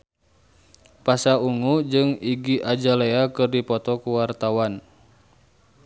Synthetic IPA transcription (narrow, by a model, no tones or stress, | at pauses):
pasauŋud͡ʒɨŋiɡiʔad͡ʒaleakɨrdipɔt̪ɔkuwart̪awan